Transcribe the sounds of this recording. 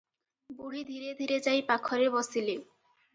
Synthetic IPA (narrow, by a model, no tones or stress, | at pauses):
buɽ̤id̪ʱiɾed̪ʱiɾed͡ʑajpakʰɔɾebɔsile